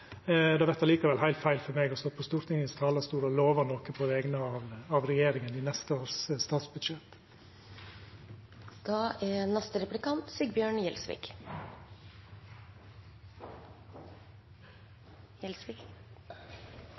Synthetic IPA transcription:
d̪ɛːʋɛt̪ɑliːkəɾʋɛlɦæɪlfæɪlfɔɾmeːɡɔst̪ɔːpʰɔst̪uːɾt̪ʰɪŋənst̪ʰɑːləst̪uːɾɔloːʋəɾnɔkəpʰɔʋɛːɡnəɑːʋɑʋɾɛjeːɾɪŋənɪːnɛst̪əoːɾsst̪ɑːt̪sbʉd̪ʃɛt̪ | d̪̥ɑːʔænɛst̪əɾɛplɪkɑnt̪sɪɡ̚bjøːɳjɛlsʋɪ̰k | jɛlsʋɪk

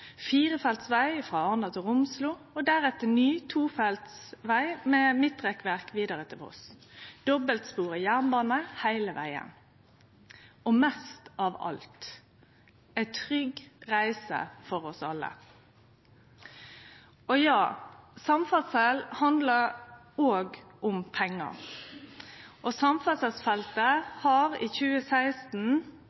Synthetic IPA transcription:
fiːʁəfɛlt̪sʋæɪfʁɑɑnd̪ɑt̪ʰɪlʊmsluː | ɔd̪æʁɛt̪ənyːt̪ʰuːfɛlt̪sʋæɪmɛmɪt̪ːʁɛkʋæʁkʋiːd̪əʁət̪ʰɪlɔ̰sd̪̥ɔbəlt̪spuːʁəjæʁnbɑːnəhæɪləʋæ̰ɪə̰n | ɔmɛst̪ɑʋɑ̰lt̪ | æɪt̪ʰʁʏɡʁæɪsə̰fɔʁɔsɑlːə̰ | ɔjɑːsɑmfɑsɛlhɑnd̪ləʁ | oːɡʔʊmpʰɛŋːə̰ | ʔɔsɑmfɑsɛsfɛlt̪əhɑʁḭːçʉːəsæɪst̪n̩

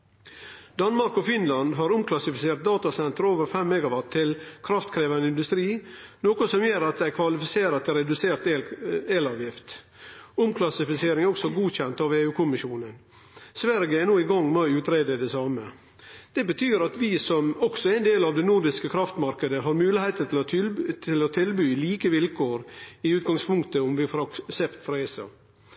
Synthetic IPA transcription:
d̪ɑnmɑɾkɔfɪnlɑnd̪ɦɑɾʊmkʰlɑsɪfɪseːɾt̪̚d̪ɑːt̪ɑsɛnt̪əɾoːʋəɾfɛmːɛɡɑʋɑʈʰːɪlkʰɾɑft̪kʰɾeːʋɑnəɪnd̪ʉst̪ɾiːnoːkɔsɔmjøːɾɑt̪̚d̪ɛɪkʰʋɑlɪfɪseːɾɑt̪ʰɛɾɛd̪ʉseːɾt̪ːeːlɑːʋjɪft̪ | ʊmkʰlɑsɪfɪseːɾɪŋæɾɔksɔɡuːçɛnt̪ɑːʋeːʉːkʰʊmɪʃuːnən | sʋæɾɡəɛnoːɪɡɑŋːmɛʉːt̪ɾeːd̪əd̪ɛsɑːmə | d̪̥ɛbət̪ʰyːɾɑt̪ʋɪsɔmɔɡsɔæɪnd̪eːlɑːʋd̪ɛnuɾd̪ɪskəkʰɾɑft̪mɑɾkəd̪əɦɑɾmʉːlɪheɪt̪ət̪ʰɪlt̪ʰɪlɔt̪ʰɪlbyːliːkəʋɪlkʰoːɾɪʉːt̪̚ɡɑŋspʰʊŋkt̪əʊmʋɪfɾɑsɛpt̪fɾɑeːsɑ̰

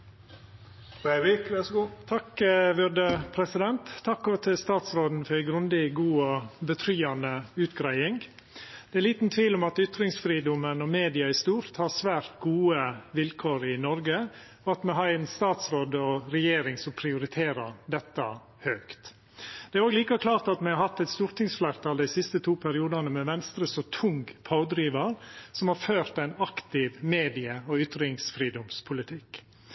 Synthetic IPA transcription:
ɛʋɪkʋɛsɡuːt̪ʰɑkʋød̪əpʰɾɛsɪd̪ɛnt̪ʰːɑkːɔt̪ʰɪlst̪ɑːt̪sɾoːd̪n̩fɔɾæɡɾʉnd̪ɪɡuːɔbət̪ʰɾyːɑnəʉːt̪ɡɾæɪɪŋ | d̪̥ɛæɾliːt̪n̩t̪ʰʋiːlɔmɑt̪ʏt̪ɾɪŋsfɾiːd̪ʊmənɔmeːd̪ɪɑɪst̪uːɾt̪hɑsʋæːɾt̪ɡuːəʋɪlkʰoːɾɪnɔɾɡə | ɔɑt̪mɛɦɑɾɛnst̪ɑːt̪sʋɔɖ̪ɔɾɛjeːɾɪŋsɔmpʰɾɪʊɾɪt̪ʰeːɾəɾd̪ɛt̪ːɑ | høːkt̪ | d̪̥ɛæɾoːɡliːkɑkʰlɑːɾt̪ɑt̪mɛhɑɾhɑt̪ːæɪt̪st̪uːɾt̪ɪŋsflæɾt̪ɑːld̪æɪsɪst̪ət̪ʰuːpʰæɾɪuːd̪ɑnəmɛʋɛnst̪ɾəsɔt̪ʰʊŋɡpʰɑʊd̪ɾiːʋɑɾsɔmhɑɾføːɾt̪æɪnɑkt̪ɪʋmeːd̪ɪəɔʏt̪ɾɪŋsfɾiːd̪ɔmspʰʊlɪt̪ʰɪkː

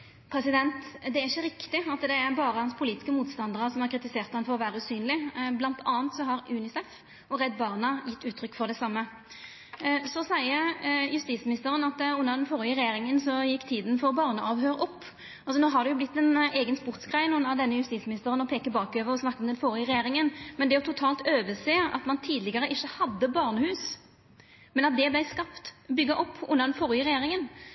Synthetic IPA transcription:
pʰɾɛsɪd̪ɛnt̪d̪ɛæɾɪçːəɾɪkt̪ɪɑt̪d̪ɛæbɑːɾəhɑnspʰʊliːt̪ɪ̥skəmuːt̪st̪ɑnd̪əʁəsɔmhɑʁkɾɪt̪ɪseːʁt̪hɑnfɔʁɔʋæːɾəʉːsyːnlɪblɑnt̪ʰɑːənt̪sɔɦɑɾʉːnɪsɛf | ɔʁɛd̪bɑːʁnɑjɪt̪ːʉːt̪ʰɾʏkːfɔʁd̪ɛsɑmːə | sɔsæɪəjʉst̪iːt̪smɪnɪst̪əʁənɑt̪ʉnːəʁd̪ɛnfoːʁɪəɾɛjeːʁɪŋənsɔjɪkːt̪ʰiːd̪n̩fɔʁbɑːʁnəʔɑʋhøːɾɔpː | ɑlsɔnoːɦɑd̪ɛjʊblɪt̪ːɛneːɡənspʊʁt̪sɡʁæɪnʊnːəd̪ɛnːəjʉst̪iːtsmɪnɪst̪əɾənɔpʰeːkəbɑːkøːʋəɾɔsnɑkːɔmd̪ɛnfɔːɾɪəʁɛjeːɾɪŋənmɛnd̪ɛjɔʊt̪ʰʊt̪ʰɑːlt̪øːʋəseːɑ̰t̪mɑnt̪ʰiːd̪lɪɡɑʁəʔɪçːəhɑd̪ːəbɑʁnəhʉːs | mɛnɑt̪̚d̪ɛblæɪskɑpt̪bʏɡːɑʔɔpːʊ̰nːəʁd̪ɛnfɔɾɪəʁɛjeːɾɪŋən

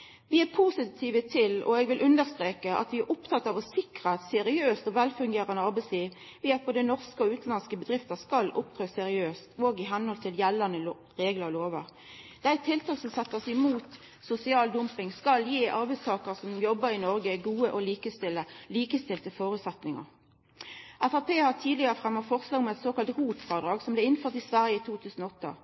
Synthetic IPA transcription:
ʋɪæpʰusɪt̪ʰiːʋət̪ʰɪlɔ̰ɛɡʋɪlʔʉnd̪əʁst̪ʁeːkəʔɑ̰t̪ʋɪæɾʔʊpt̪ʰɑt̪ːɑʋɔsɪkʁɑɛt̪sɛɾɪøːst̪ɔʋɛlfʉŋɡeːɾənəɑɾbɛɪsliːʋ | ʋɪæboːd̪ənɔʁskəɔʉːt̪n̩lɑnskəbəd̪ʁɪft̪əskɑlʊ̰p̚t̪ʰɾøːsɛɾɪøːst̪ʰoːɡɪɦɛnhɔlt̪ʰɪljɛlːənə | ʁeːɡləʁloːʋəɾ | d̪̥æɪt̪ʰːɪlt̪ɑːlsɔmsɛt̪ːəsɛmuːt̪ | sʊsɪɑːld̪ʊmpɪŋskɑljeːʔɑʁbæɪst̪ʰɑːkəʁsɔmjɔbːəɾɪnɔʁɡəɡuːəʔɔliːkəst̪ɪləliːkəst̪ɪlt̪əfoːɾʉːt̪sɛt̪nɪŋə̰ʁ | æfɑpʰeːhɑʁt̪ʰiːd̪lɪəʁəfʁɛmːəfɔʁslɑːɡmɛt̪soːkɑlt̪ʁuːt̪fɑʁd̪ɾɑːɡsɔmblɛɪnføːʁt̪ɪsʋæʁjəit̪ʰuːt̪ʰʉːsn̩ɔɔt̪ːə̰

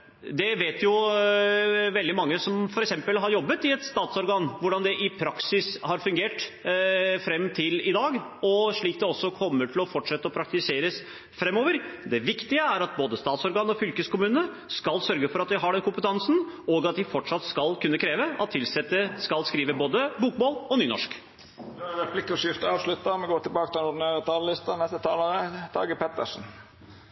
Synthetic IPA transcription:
d̪ɛʋeːt̪jʊ | ʋɛld̪ɪmɑŋːəsɔmfɔɾɛksɛmpəlɦɑɾjɔbːət̪ɪɛt̪st̪ɑːt̪sɔɾɡɑːnʋʊɖɑnd̪ɛʔɪpʰɾɑksɪshɑɾfʉŋɡeːʈ | fɾɛmːt̪ʰɪlɪd̪ɑːɡɔʂɭiːk̚d̪ɛɔsːɔkʰɔmːəʈʰɪlɔfɔʈʂɛt̪ːəɔpʰɾɑk̚t̪ɪseːɾəs | fɾɛmːoːʋəɾd̪ɛʋɪkt̪ɪəæɾɑt̪̚boːd̪əst̪ɑːt̪sɔɾɡɑːnəɔfʏlkəskʊmʉːnə | skɑlsœɾɡəfɔɾɑt̪̚d̪ɪɦɑɖɛnkʰʊmpət̪ʰɑnsn | ɔɡɑt̪̚d̪ɪfɔʈʂɑt̪skɑlkʰʉnːəkʰɾeːʋəʔɑ̰t̪ʰːɪlsɛt̪ːəskɑlskɾiːʋəboːd̪əbuːkmoːlɔnyːnɔ̰ʂk | d̪ɾɛpʰlɪkːɔʂɪft̪əɑːʋʂlʉt̪ːəmɛɡoːɾʈ̪ɪlbɑːkət̪ɪlnɔɖ̪ɪnæːɾət̪ʰɑːləlɪst̪ənɛst̪ət̪ʰɑːləɾət̪ʰɑ̰ːɡəpʰɛt̪ə̰ʂn̩

